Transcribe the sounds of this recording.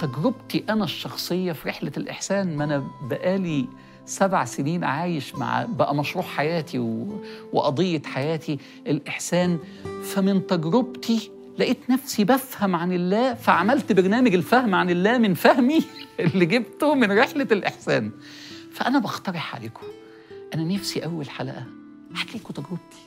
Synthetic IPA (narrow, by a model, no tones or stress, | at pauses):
t̪æɡɾobt̪iʔænæʃːɑxsˤejːɑfiɾeħlælʔḛħsæːnmænæbæʔæːli | sæbʕaseniːnʕaːjeʃma̰ʕ̰bæʔæmɑʃɾuːʕħajæːt̪ʰiwweʔɑd̪ˤejːet̪ħajæːt̪ʰi | ʔelʔeħsæːn | fæmɪnt̪æɡɾobt̪i | læʔeːt̪næfsibæfhæmʕanelːæːfæʕamælt̪beɾnæːmæɡelfæhmʕanelːæːmɪnfæhmiʔelːiɡeb̚t̪omɪnɾeħlelʔeħsæːn | fæʔænæbɑxt̪ɑɾˤeħʕa̰leːko̥ | ʔænænæfsiʔæwːælħalæ̰ʔæ | ħat̪lːeːkot̪æɡɾeb̚t̪ʰi̥